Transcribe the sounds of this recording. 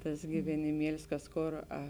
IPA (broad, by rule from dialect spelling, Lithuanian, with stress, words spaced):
ˈtɐs ɡʲɪʋʲɛnʲɪˈmʲiɛlʲɪs ˈkɐs ˈkoːr ɐ